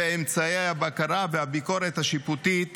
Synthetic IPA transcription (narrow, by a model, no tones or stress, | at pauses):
eemt͡saejhabakaɾavehabiko̞ɾet̪haʃiput̪it̪